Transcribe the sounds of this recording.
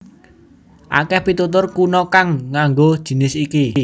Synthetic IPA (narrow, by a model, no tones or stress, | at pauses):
ʔa̰kɛhpit̪ut̪̬ʊrkunɔkaŋːaŋɡod̥ʒ̥i̤nɪsiki